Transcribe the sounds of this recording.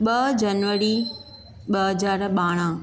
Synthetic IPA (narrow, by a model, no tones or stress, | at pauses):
ɓɐd͡ʑɐnʋəɾi | ɓɐɦɐzaːɾɓaːɽ̃ã